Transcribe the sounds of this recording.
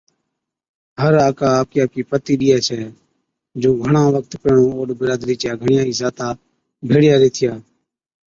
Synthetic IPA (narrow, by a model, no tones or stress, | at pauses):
ɦəɾaːkaːaːkɪjaːkiːpət̪iːɗɪjaːt͡ʃʰɛː | d͡ʒoːɡʱəɳãːʋək̚t̪peːɳõːoːɗbɪɾaːd̪ɾiːt͡ʃjaːɡʱəɳɪjãːiːsaːt̪aː | bʱeːɽɪjaːɾeːt̪ʰɪjaː